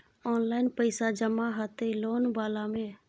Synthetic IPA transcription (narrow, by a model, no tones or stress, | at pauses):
ɔːnlaːɪnpəɪsad͡ʒəmaːɦat̪eloːnbaːlãːmẽː